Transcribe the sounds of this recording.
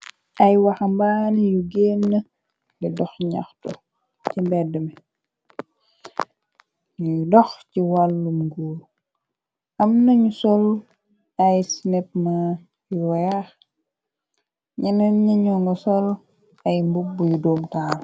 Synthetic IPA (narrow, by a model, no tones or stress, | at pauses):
ɐjwɐxɐmbanijuɡenːə | lɛdɔxɲa̰xtṵ | cimbɛdəmɛ | ɲudɔxciwalːumɡul | ʔɐmnɐɲusɔl | ɐjsinɛp̚ma | juwɛjax | ɲɛnɐɲɐɲunɔsɔl | ɐjmbubujudɔːmtaːl